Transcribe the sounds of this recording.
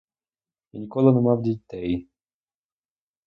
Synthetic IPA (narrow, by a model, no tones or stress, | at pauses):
jinʲikɔlˠɪnɛmɑwdʲit̪ɛj